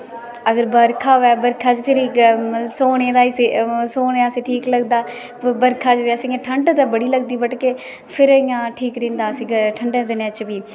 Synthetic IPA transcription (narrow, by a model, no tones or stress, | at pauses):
əɡəɾbəɾkʰaːʋɛːbəɾkʰaːd͡ʒpʰɪɾɪksoːnẽːd̪aːiseːsoːneaːsĩːʈʰiːkləɡd̪aː | bəɾkʰaːd͡ʒʋaːsĩɡẽːʈʰəɳɖt̪ãbəɽiːləɡd̪iːbəʈkeː | pʰɪɾɪjãːʈʰiːkɾĩːnd̪aːsiɡaʈʰəɳɖẽːd̪ɪnẽːt͡ʃbiː